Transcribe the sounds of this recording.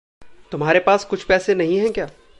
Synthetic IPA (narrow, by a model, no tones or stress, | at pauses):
t̪ʊmɦaːɾepaːskʊt͡ʃʰpɛːsenɐɦĩɦɛ̃kjaː